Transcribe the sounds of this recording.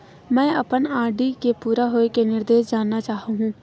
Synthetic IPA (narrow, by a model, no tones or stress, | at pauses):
mɛ̃ːɐpənaːɖikepuːɾaɦoːekenɪɾd̪eːʃ̬d͡ʒaːnːat͡ʃaːɦɦũː